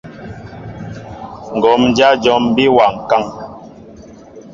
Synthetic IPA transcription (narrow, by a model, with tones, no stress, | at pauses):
ŋ̩˨ɡɔ˨˦m˦d͡ʒa˦d͡ʒɔ˦mbi˦wa˨ŋ˨ka˦ŋ